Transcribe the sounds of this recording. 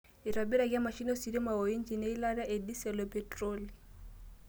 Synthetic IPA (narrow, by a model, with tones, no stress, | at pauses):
ɪ˨ra˨bi˦ɾa˨kʼɪ˦a˦ma˨ʃi˦n˦si˨di˦ma˨o˨i˦nt͡ʃi˨ne˦i˦la˦ɾa˦ʔe˨di˦sɛ˨lɔ˨pʼɛ˨troː˦li˨